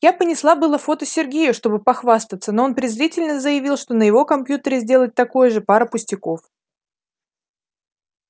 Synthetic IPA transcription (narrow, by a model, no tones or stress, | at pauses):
japənʲɪslˠabɨlˠəfo̞t̪əsʲɪrɡʲejʊʂt̪o̞bɨpɐxvast̪ət̪səno̞onpɾʲɪzɾʲitʲɪlʲnəzəjɪvʲilˠʂt̪o̞nəjɪvo̞kɐmpʲjut̪əɾʲɪzʲdʲe̞lˠət̚ʲt̪ɐko̞jəʐɨpaɾəpʊsʲtʲɪko̞f